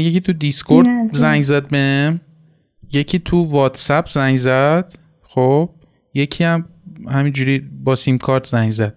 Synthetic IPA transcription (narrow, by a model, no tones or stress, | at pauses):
jeciːt̪ʰud̪iskʰoɾd̪zæŋɡzæd̪̚bem | je̞cʰiːt̪ʰuvɒːt̪sæpʰzæŋɡzæd̪̥ | xob̥̚ | je̞cʰiæmhæmiːnd͡ʒuːɾiːbɒːsimkʰɒɾt̪ʰzæŋɡzæd̪̥̚